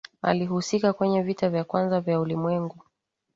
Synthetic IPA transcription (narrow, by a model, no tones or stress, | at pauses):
a̰liɦusikakwɛɲɛvitavjakwanzavjaulimwɛŋɡu